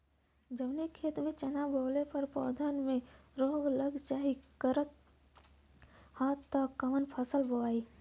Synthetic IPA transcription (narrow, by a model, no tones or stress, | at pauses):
d͡ʒəʋnikʰeːt̪mẽt͡ʃɐnaboːlepəɾpɔ̰ːd̪ʱənmẽɾoːɡləɡd͡ʒaːɦikəɾət̪ | haːt̪ːakːəmənpʰəsəlboaːiː